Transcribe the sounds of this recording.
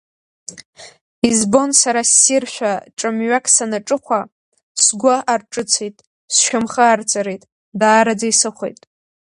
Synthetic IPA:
izbo̞nsaɾasːirʃʷᶣaʈ͡ʂʼɨmɥakʰʼsanaʈ͡ʂʼɨχʷa | sɡʷaʔarʈ͡ʂʼɨt͡sʰejtʼ | sʃᶣamχəːrt͡sʼaɾejtʼ | daːɾad͡zaisɨχʷḛjtʼ

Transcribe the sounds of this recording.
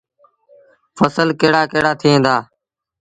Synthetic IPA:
fəsəlkeːɽaːkeːɽaːt̪ʰɪːẽːnd̪aː

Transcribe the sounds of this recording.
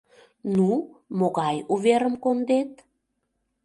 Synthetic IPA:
numoɣɑjuβeɾəmkond̪et̪̚

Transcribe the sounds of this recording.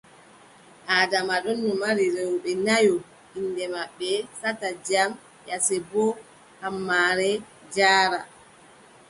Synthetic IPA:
ʔaːdamaɗɔnːɔmaɾiɾɛwɓɛnajɔ | inːdɛmaɓːɛsatad͡ʒam | jasɛbɔ | hamːaːɾɛ | d͡ʒaːɾa

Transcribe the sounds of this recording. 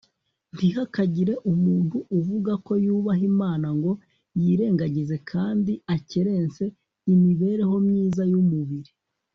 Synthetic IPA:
n̥tihakaɟiɾe̞ʔumuːnhuʔːvuɡako̞juːβaɦimaːnaŋɡo̞ | jiːɾe̞ːŋɡaɟize̞kʰaːndiaceɾe̞ːnt͡se̞ | imiβe̞ːɾe̞ɦo̞mɲiːzajumuβiɾi

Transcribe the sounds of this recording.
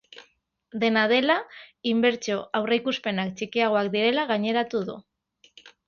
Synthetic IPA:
d̪e̞nað̞e̞laimbe̞ɾt͡ʃo̞awrejkuspe̞nakt͡ʃikiaɣ̞o̞akd̪iɾe̞laɣaɲe̞ɾat̪uðṵ

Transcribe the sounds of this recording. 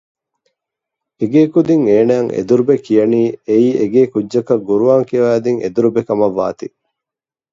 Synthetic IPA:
eɡeːkud̪iŋeːnæːŋʔḛd̪uɾubekijɐniːeiːʔeɡeːkudʒɐkɐɡuɾuʋaːŋkiɐʋæːd̪iŋʔḛd̪uɾubekɐmɐʋːa̰ːt̪i

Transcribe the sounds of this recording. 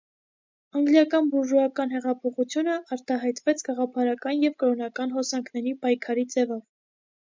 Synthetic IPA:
ɑŋɡljɑkɑnbuʒuɑkɑnɦɛʁɑpʰɔχut͡sʰjunəʔɑɾt̪ɑɦɑjt̪vɛt͡sʰɡɑʁɑpʰɑɾɑkɑnjɛvkəɾɔnɑkɑnɦɔsɑŋkʰnɛɾipɑjkʰɑɾit͡sɛvɔv

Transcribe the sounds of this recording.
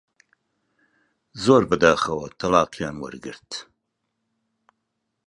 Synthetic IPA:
zoɾbəd̪aːxɐwɐt̪ʰalɑːqijɑːnwə̰ɾɡɨ̰ɾt̪

